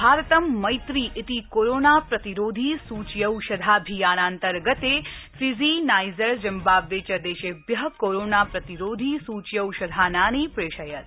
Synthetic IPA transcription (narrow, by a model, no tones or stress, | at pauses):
bʱaːɾt̪əmːɐjt̪ɾiʔɪt̪ikoɾoːnapɾɐt̪iɾoːd̪ʱisuːt͡ʃjəwʃɐd̪ʱabʱijaːnaːnt̪əɾɡət̪efizinaːjzəɾd͡ʒɐmbaːʋːeːt͡ʃɐd̪eːʃebjɐɦkoɾoːnaːpɾɐt̪iɾoːd̪ʱisuːt͡ʃjəwʃɐd̪ʱaːnaːnipɾeːʃɐjɐt̪̚